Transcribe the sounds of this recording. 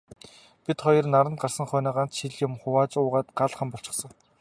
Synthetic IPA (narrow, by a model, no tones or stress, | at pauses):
pʲit̪χɔjɞ̆rnaɾə̆nt̪̚ɢarsə̆ŋχœːnaːɢan̥t͡sʃiɮjʊmχʊwaːt͡sʊːʁaːt̪ɢaɮχə̆mpɔɬt͡ɕɪ̆χsə̆ŋ